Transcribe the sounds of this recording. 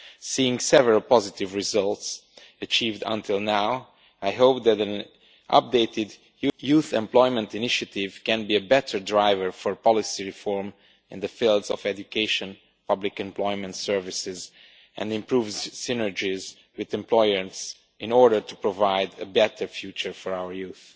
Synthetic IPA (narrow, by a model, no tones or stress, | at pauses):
siɪ̃ŋsɛvəɹəlˠpɑzɪtɪvɹɪzʌlˠts | ət͡ʃiːvdə̰̃nt̪ʰɪlˠnaw | ajɦoʊp̚d̪ætæ̃n | ʔʌ̰p̚deɪtɪd | juθɛ̰̃mplɔɪmɛ̃ntɪnɪʃatɪv̥kɛ̃nbiəbɛtʰə˞dɹaɪvəɹfɔɹpɑlɪsiɹifɔɹm | ɪ̰̃nd̪əfilˠdzɔ̰vɛd͡ʒjukʰeɪʃə̃n | pʌblɪkɛ̃mplɔɪmɛ̃ntsɜɹvɪsɪz | ʔɛ̰̃ndɪ̃mpɹuːvzsɪnəɹd͡ʒiz | wɪðɛ̃mplɔɪmɛ̃ns | ʔɪ̃nɔɹdə˞tupɹɔvaɪdəbɛtʰə˞fjut͡ʃə˞fɔɹawəɹjuːθ